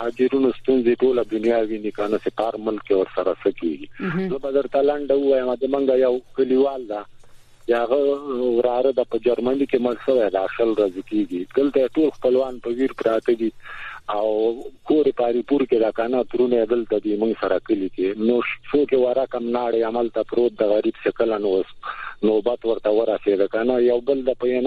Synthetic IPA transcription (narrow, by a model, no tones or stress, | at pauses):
hɑd͡ʒiɾunost̪unzeʈolad̪ʊnijɑwinikanasepɑɾmʊlkːewəɾsaɾasəkḛɡizəbad̪əɾt̪alaɳɖauwajəmad̪əməŋɡajawkəliwɑld̪a | t͡ʃeaɣawɾɑɾəd̪apəd͡ʒaɾmanikeməɽʃəwajd̪aʃəlɾazekeɡid̪̥əlt̪ajeʈolxpəlwɑnpəwiɾpɾɑt̪əd̪iawkoɾepɑɾipuɾked̪akanat̪ɾunad̪əlt̪ad̪imuŋɡsaɾakəlikenoʃokewaɾakamnɑɽeamalt̪apɾot̪̚d̪əɣaɾibsekəlanosnobat̪wəɾt̪awəɾased̪əkanajawbəld̪apəjen